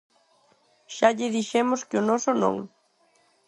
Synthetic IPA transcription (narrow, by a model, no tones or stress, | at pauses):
ʃaʎɪðiʃemʊskɪʊnɔsʊnõ̰ŋ